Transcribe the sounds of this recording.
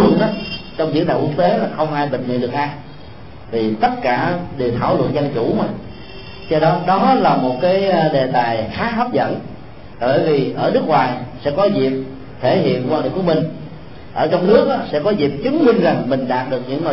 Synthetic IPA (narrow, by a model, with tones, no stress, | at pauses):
ə̰˧˨nʔaː˨˦t͡ɕɔ˧wŋ͡mzḭ˧˥t̪aː˨˩ku˦˥k̚t̪e˨˦laː˨˩xə˧wŋ͡mʔaː˧jɓï˨ŋmḭ˧˨nɗɨ˨˩ək̚ʔaː˧j | t̪ʰi˨˩t̪ə˦˥t̚kaː˧˩ɗe˨˩wt̪ʰaː˧˩wlwə̰˧˨nzə˧nt͡ɕu˧˩maː˨˩ | t͡ɕɛ˧ɗɔ˨˦ɗɔ˨˦laː˨˩mo˨˩t̚kaː˨˦jɗe˨˩t̪aː˨˩jxaː˨˦hə˦˥p̚zə̰˧˨n˨˩ | ɓəː˧˨˩jvi˨˩ʔəː˧˩nɨ˦˥ək̚waː˨˩jsɛ̰˧˥kɔ˨˦zi˨˩p̚ | t̪ʰe˧˩ɦḭ˧˨ənkwaː˧n˨˩˨ku˧˦mï˨˩ŋ̟ | ʔəː˧˩t͡ɕɔ˧wŋ͡mnɨ˦˥ək̚ʔaː˨˦sɛ̰˧˥kɔ˨˦zi˨˩p̚t͡ɕɨ˨˦ŋmï˧ŋ̟za˨˩ŋmï˨˩ŋ̟ɗaː˨˩t̚ɗɨ˨˩ək̚ɲɨ̰˧˥ŋŋo˨